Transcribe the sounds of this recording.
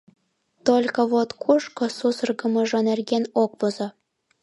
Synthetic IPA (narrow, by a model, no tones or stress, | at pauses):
t̪olʲkɤ̆βot̪kʰuʃkŏsusɤrɣə̆mɤ̆ʒɤ̆nerɣenok̚pozɤ